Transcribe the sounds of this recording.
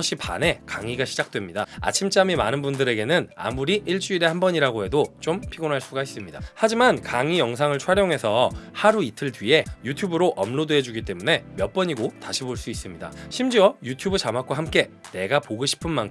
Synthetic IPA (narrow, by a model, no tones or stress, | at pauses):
ʌɕ͈ʰipa̰ne̞kaŋiɡaɕʰi̥d͡ʑak̚t͈we̞mɲidaa̰t͡ɕʰimt͡ɕ͈amimanɯnbundɯɾe̞ɡe̞nɯna̰muɾiʔiɭt͡ɕ͈uiɾe̞hambʌɲiɾaɡoɦe̞dot͡ɕompʰiɡonɦaɭs͈uɡais͈ɯmɲidahad͡ʑimankaŋijʌŋs̬ʰaŋɯɭt͡ɕʰwaɾjoŋɦe̞sʰʌhaɾuitʰɯɭtɥie̞jutʰjubɯɾoʔʌmlodued͡ʑuɡit͈e̞mune̞mjʌp͈ʌɲiɡotaɕʰiboɭs͈uis͈ɯmɲida̰ɕʰimd͡ʑiʌjutʰjubɯt͡ɕamak͈waɦamk͈e̞ne̞ɡapoɡoɕʰi̥pʰɯnmankʰ